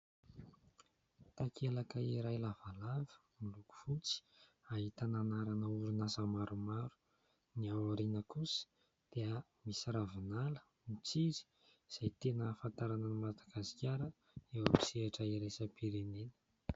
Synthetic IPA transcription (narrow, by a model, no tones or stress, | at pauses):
t̪akʰelakəiɾajlavalavə̥ | miluku̥fut͡si̥ | aɦit̪ananaɾanəuɾunasəmaɾumaɾu̥ | niawaɾinəkusə̥ | d̪̥eə | misiɾavinalə̥ | mit͡siɾi̥ | z̥ajt̪enəfant̪aɾanənimad̪aɡasi̥kʲaɾə | ewabi̥seaʈ͡ʂəiɾesəpiɾenenə̥